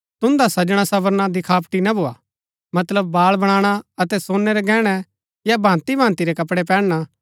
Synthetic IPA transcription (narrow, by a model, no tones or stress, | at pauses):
t̪ʊ̃nd̪asɐd͡ʒɽ̃asɐbəɾnad̪ɪkʰaːpʈinabʱoaː | mɐt̪ləbːaːɭbɐɽ̃aːɽ̃aɐt̪ɛsoːnːɛɾɛɡɛːɽ̃ɛ | jabʱãːnt̪ibʱãːnt̪iɾɛkɐpɽɛp̬ɛːɽɽ̃a